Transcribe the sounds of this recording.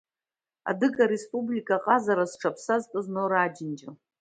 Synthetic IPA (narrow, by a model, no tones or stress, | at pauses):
a̰dɨkʼaɾespʼublikʼaqʼazaɾasʈ͡ʂʰapʰsaztʼɨznoɾaːd͡ʒɪnd͡ʒa